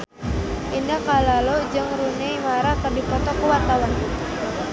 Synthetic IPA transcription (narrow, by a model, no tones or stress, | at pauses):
ʔindakalalod͡ʒɨŋɾunɛjmaɾakərdipɔt̪ɔkuwat̪awan